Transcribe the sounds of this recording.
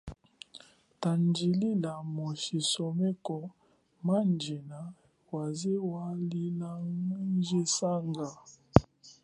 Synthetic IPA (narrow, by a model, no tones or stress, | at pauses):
tand͡ʒililamoʃisɔmɛkɔ | mand͡ʒena | wazewaliland͡ʒesaŋɡa